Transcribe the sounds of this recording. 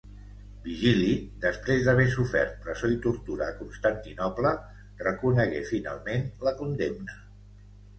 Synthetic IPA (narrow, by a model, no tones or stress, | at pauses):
biʒilid̪əspɾezd̪əβesufɛ̰rt̪̚pɾəzoit̪uɾt̪uɾəːkunst̪ant̪inɔplə | rəkunəɣefina̰lˠmenləkund̪emnə